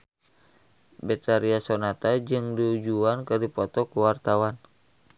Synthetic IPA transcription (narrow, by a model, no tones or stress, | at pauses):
bɛt̪aɾiasonat̪ad͡ʒɨŋdiud͡ʒuankɨrdipɔt̪ɔkuwart̪awan